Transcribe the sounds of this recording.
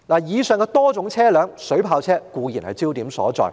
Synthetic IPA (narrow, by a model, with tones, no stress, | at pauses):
laː˨˩jiː˨˧sœː˨ŋkɛː˧t̪ɔː˥t͡sʊ˨˥ŋt͡sʰɛː˥lœː˨˥ŋsɵ˨˥pʰaː˧wt͡sʰɛː˥kuː˨˧jiː˨˩nhɐ˨jt͡siː˥wt̪iː˨˥msɔ̰ː˨˥t͡sɔ̰ː˨˩j